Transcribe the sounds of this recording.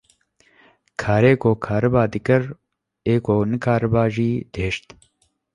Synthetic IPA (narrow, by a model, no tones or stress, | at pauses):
kʰaːɾeːkoːkʰaːɾɐbaːd̪ikɐɾ | eːkoːnəkʰaːɾəbaːʒiːd̪̥ʱeːʃt̪